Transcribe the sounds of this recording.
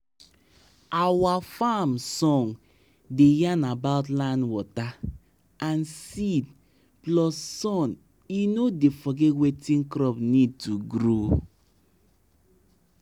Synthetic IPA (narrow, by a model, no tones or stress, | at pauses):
awafamsɔ̃ŋ | dejanabaʊt̬lãndwɔta | ãnsid̚ | plɔsːɔ̃n | inodefɔɡɛtwetĩnkɾɔpnid̚tuɡɾo